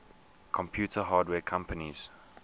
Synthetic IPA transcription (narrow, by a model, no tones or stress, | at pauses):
kʰɔ̃mpʰjuːtʰəɦaːdwɛːkʰãmpʰəniz̥